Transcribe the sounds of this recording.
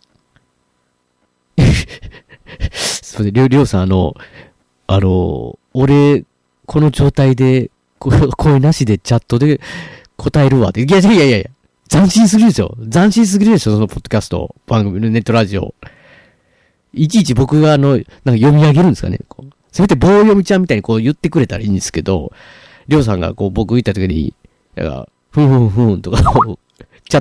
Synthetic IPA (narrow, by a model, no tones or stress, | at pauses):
soneɾʲoɾʲo̞ːsãano̞̰ | ano̞̰ːɾe̞ | kʰo̞no̞d͡ʑo̞ːt̪aid̪e̞ | kokʰo̞enaɕid̪e̞t͡ɕat̪ːo̞d̪e̞ | kʰo̞t̪ae̞ɾɯ̟βa̰t̪ːeiiaaijaiaija̰ | zãɰ̃ɕĩɰ̃s̬ɨɾɯ̟d̪esɨjo̞̰zãɰ̃ɕĩɰ̃s̬ɨɡʲiɾed̪esɨoso̞nopʰo̞t̪ːo̞kʲasɨ̥t̪o̞̰b̥ãŋɡɯ̟mʲinone̞t̪ːo̞ɾaʑio̞̰ | it͡ɕiːt͡ɕibo̞kɯ̟ɡaːno̞nãŋkajo̞mʲiaɡe̞ɾɯ̟nd̪esɨkanḛko̰ː | sɨbet̪ːebo̞ːjo̞mʲit͡ɕãmʲit̪aiɲ̟ikoːjɯ̟t̪ːe̞kɯɾe̞t̪aɾaĩːnd̪e̞sɨ̥ke̞d̪o̞̰ | ɾʲo̞ːs̬ãŋɡa̰ko̞ːbo̞kɯ̟it̪ːat̪okʲiɲḭ | nã̰ŋka̰ | ɸɯ̟̃ɸɯ̟̃ɸɯ̟̃nt̪o̞kao | t͡ɕa